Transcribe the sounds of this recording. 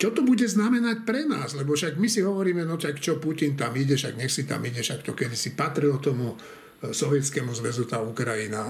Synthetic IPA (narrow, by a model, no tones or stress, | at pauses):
t͡ʃɔt̪ɔbuɟɛznamɛnac̚pɾɛnaːzlɛbɔʃaɡmisiɦɔʋɔɾiːmɛnɔt͡ʃakt͡ʃɔpucint̪amiɟɛʃaɡɲɛxsit̪a̰miɟɛʃakt̪ɔkɛd̪isipat̪ɾilt̪ɔmu | sɔʋɛt͡skɛmuzʋɛzut̪aːukɾajina